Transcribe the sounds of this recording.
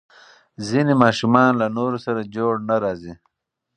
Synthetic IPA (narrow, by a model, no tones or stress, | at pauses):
zinimɑːʃumɑnlanoɾosaɾad͡ʒoɽnaɾɑːzi